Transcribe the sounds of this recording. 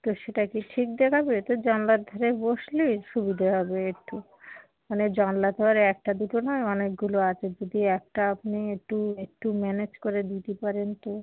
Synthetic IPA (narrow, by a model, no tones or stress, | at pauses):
t̪oʃeʈakiʈʰik̚d̪ekʰabet̪od͡ʑɔnlad̪ʱoɾeboʃliʃubid̪ʱaɦɔbeekʈːu | maned͡ʑɔnlad̪ʱoɾeɛk̚ʈad̪uʈonɔeɔnek̚ɡuloat͡ɕʰed͡ʑod̪iɛk̚ʈaapniek̚ʈuek̚ʈumɛned͡ʑkoɾed̪it̪epaɾent̪o